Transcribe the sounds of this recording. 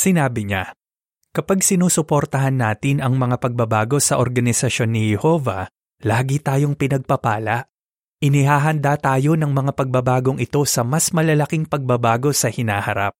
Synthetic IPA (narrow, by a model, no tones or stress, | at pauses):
sɪnaːbɪɲa | kɐpaɡsɪnuːsʊpo̞ɾt̪ɐɦanːaːt̪ɪnɐŋmɐŋapɐɡ̚bɐbaːɡo̞sɐʔoɾɡɐnɪsɐʃo̞nːɪhɛho̞vɐ̰ | laːɡit̪aːjo̞ŋpɪnɐɡ̚pɐpaːlɐʔ | ʔɪnɪɦaːɦɐnd̪at̪aːjo̞nɐŋmɐŋapɐɡ̚bɐbaːɡo̞ŋʔɪt̪o̞sɐmɐsmɐlɐlɐkiŋpɐɡ̚bɐbaːɡo̞sɐhɪnaːhɐɾa̰p̚